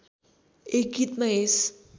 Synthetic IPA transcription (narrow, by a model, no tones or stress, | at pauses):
ek̚ɡit̪maes